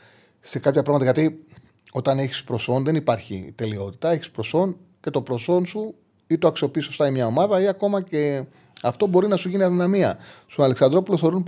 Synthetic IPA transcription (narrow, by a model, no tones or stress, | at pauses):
se̞kɐpçɐpɾɐɣmɐt̪ɐʝɐt̪i | o̞t̪ɐneçi̥spɾo̞so̞nðe̞nipɐɾçḭt̪e̞lio̞t̪i̥t̪ɐe̞çispɾo̞so̞n | ce̞t̪o̞pɾo̞so̞nsu | it̪oɐksio̞piiso̞st̪ɐimɲɐo̞mɐðɐiɐko̞mɐce̞ | ɐft̪o̞bo̞ɾinɐsuʝiniɐðinɐmiɐ̰st̪onɐleksɐnd̪ɾo̞puloθeɾun